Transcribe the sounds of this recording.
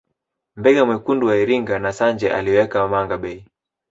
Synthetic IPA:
mbɛɡamwɛkunduwaiɾiŋɡanasaɲd͡ʒɛʔa̰liwɛkamaŋɡaɓɛi

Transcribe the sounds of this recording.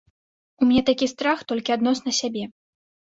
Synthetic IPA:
umʲnʲɛt̪akʲist̪ɾaxt̪ɔlʲkʲiad̪nɔsnɐsʲabʲɛ

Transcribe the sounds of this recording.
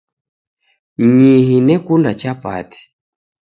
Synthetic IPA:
ɲihinɛkundat͡ʃapa̰ti̥

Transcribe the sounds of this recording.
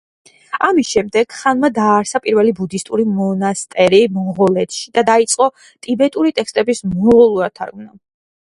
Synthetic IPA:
amisʃɛmd̪ɛɡ̥χanmad̪aːɾsapʼiɾvɛlibud̪ist̪ʼuɾimɔnast̪ʼɛɾimɔʁɔlɛt̪ʰʃid̪ad̪ait̪sʼqʼɔ | t̪ʼibɛt̪ʼuɾit̪ʼɛkst̪ʼɛbismɔʁɔlˠuat̪ʰːa̰ɾɡvna

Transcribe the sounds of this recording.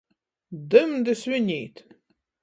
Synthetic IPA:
d̪ɨmd̪ɨsɥɪnʲejt̪ʰ

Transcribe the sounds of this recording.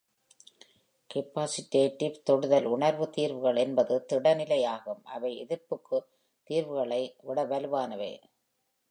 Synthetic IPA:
kɛpːaːsɪʈːeːʈːɪʋt̪ɔɽɯðɐlʊɳɐɾʋɯt̪iːɾʋɯɣɐɭɛnbɐðɯt̪ɪɽɐnɪlɐjaːɣɯmʔɐ̰ʋɐɪɛðɪɾpːɯkːɯ | t̪iːɾʋɯɣɐɭɐɪʋɪɽɐʋɐlɯʋaːnɐʋḛː

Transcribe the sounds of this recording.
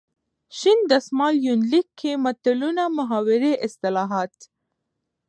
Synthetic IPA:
ʃind̪əsmɑljunlikʰːemat̪alunamʊɦɑwɪɾeʔɪst̪ɪlɑɦɑt̪

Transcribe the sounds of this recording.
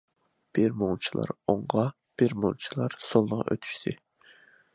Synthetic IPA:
b̥ɪɾmoŋt͡ʃʰilˠɑ̰ɾoɴʁɑ | b̥ɪɾmoŋt͡ʃʰilˠɑɾsolˠːəʁɑ̰ʔø̰t̪ʰy̥ʃt̪ʰɪ

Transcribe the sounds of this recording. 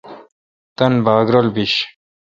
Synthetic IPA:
t̪ɐnbaːɡɾolbiɕ

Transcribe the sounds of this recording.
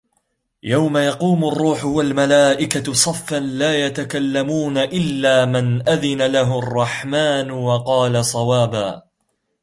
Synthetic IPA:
jawmajɑquːmʊrˤːuːħʊwalmalaːʔɪkasˤɑfːanlaːjat̪akalːamuːnaʔɪlːaːmɪnʔaðɪnalaɦʊɑrˤːɑħmaːnwɑqɑːlasˤɑwaːbaː

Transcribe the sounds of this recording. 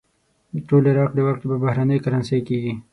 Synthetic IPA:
ʈolɪɾɑqd̪əwakʈ̪babahɾanəjkaɾansajkeɡi

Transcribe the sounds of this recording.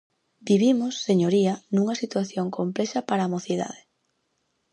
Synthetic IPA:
biβimosːeɲoɾiɐnũŋɐsit̪waθjoŋkomplɛʃɐpaɾaːmoθiða̰ðe

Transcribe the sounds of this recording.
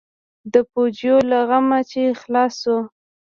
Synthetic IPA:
d̪əpod͡ʒjolaɣamat͡ʃexlɑso

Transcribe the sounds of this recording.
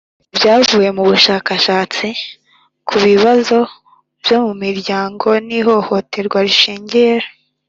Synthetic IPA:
bjaːvuːje̞muβuʃaːkaʃaːt͡si | kʰuβiβazo̞ | bjo̞mumiɾɟaːŋɡo̞niɦo̞ho̞tʰe̞ɾɡwaɾiʃeːɲɟe̞ɾa

